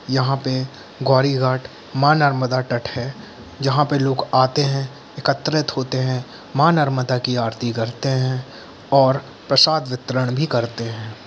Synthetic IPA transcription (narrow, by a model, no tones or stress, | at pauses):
jɐɦãpe | ɡɔːɾiɡaːʈ | maːnɐɾməd̪aʈɐʈhɛ | d͡ʒɐɦãpeloːɡaːt̪eɦɛ̃ | ɪkət̪ːɾɪt̪ɦoːt̪eɦɛ̃ | maːnɐɾməd̪akiaːɾt̪ikɐɾt̪eɦɛ̃ | ɔːɾ | pɾɐsaːd̪ʋɪt̪ɾəɽ̃bʱikɐɾt̪eɦɛ̃ː